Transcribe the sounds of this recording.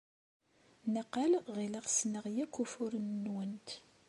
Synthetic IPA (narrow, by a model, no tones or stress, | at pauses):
nəqalʁiləʁsnəʁjækːufʊɾnːwənt̪